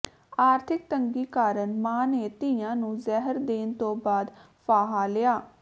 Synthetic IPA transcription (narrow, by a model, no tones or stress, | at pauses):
aːɾt̪ʰɪk̚t̪əŋɡiːkaːɾənmãːneːt̪ɪjãːnũːzɛːɦəɾd̪eːnt̪õːbaːd̪ | pʰaːɦaːlɪjaː